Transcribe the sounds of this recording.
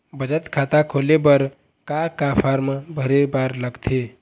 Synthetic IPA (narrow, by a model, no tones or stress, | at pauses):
bəd͡ʒət̪kʰat̪akʰolebəɾ | kakapʰaɾmbʱəɾebaɾləɡt̪ʰe